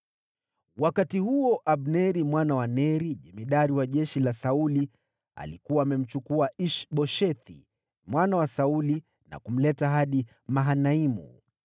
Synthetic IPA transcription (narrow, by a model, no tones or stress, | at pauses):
wakatihuɔʔaɓnɛɾimwanawanɛɾiʄɛmiɗaɾiwaʄɛʃilasauli | a̰likuwaːmɛm̩t͡ʃukuaiʃɓɔʃɛθḭ | mwanawasauli | na̰kum̩lɛtaɦaɗi | maɦanaimṵ